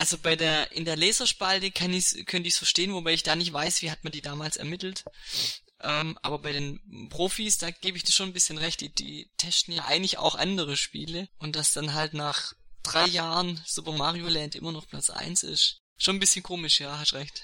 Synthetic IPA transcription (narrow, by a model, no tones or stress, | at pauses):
ʔalzobaɪdeːɐʔɪ̰ndeːɐlɛːzɐʃpaltəkʰanɪçskʰœntɪçsfɐʃteːənvobaɪɪçd̥aːnɪçtv̥aɪsv̥iːhatmandiːdaːmaːlsɛ̰ɐmɪtl̩t | ʔɛːmʔa̰ːbɐbaɪɾeːnpʁ̥oːfiːsd̥aːɡ̥eːbəɪçd̥iːʃoːnbɪsçənʁɛçt̚d̥iːd̥ḭːtʰɛstn̩jaːʔa̰ɪɡəŋ̩tlɪça̰ʊxʔa̰ndəʁəʃpḭːləʔʊnt̚d̥asd̥anɦaltnaːχd̥ʁaɪjaːʁənz̥upɐmaːʁiolɛntʔɪ̰mɐnɔχpʰlat͡sʔa̰ɪnsɪ̰ʃ | ʃoːnbɪsçənkʰoːmɪʃjaːɦastʁɛçt